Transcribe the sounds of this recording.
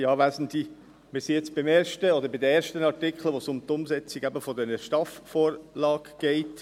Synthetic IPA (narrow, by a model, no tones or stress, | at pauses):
iɑːʋæzn̩di | mɪɾsijɛt͡sb̥ɪmɛːɾʃtəɔd̪əɾbɪdəeːɾʃtənɑrtɪkχl̩əʋosʊmt̪ʊmsɛt͡siɡæbəfɔd̪ɛnəʃtɑffoːɾlɑːɡ̥ɡ̥ɛɪt